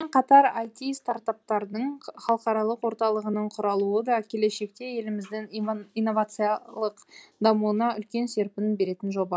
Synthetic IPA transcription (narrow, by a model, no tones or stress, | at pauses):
eɴqʰɑt̪ɑɾajt̪ijst̪aɾt̪ap̚t̪ɑɾd̪əɴχɑlˠəqɑɾɑlˠəqwo̞ɾt̪ɑlˠəʁənəɴqʰʊɾɑlˠuəd̪ɑkʲʰe̞le̞ʃe̞k̚t̪e̞je̞lɪmɪzd̪ɪŋijnːo̞vat̪sɨjɑlˠəqd̪ɑmuənɑʏlkʲe̞nse̞ɾpɪnbe̞ɾe̞t̪ɪnʒo̞bɑ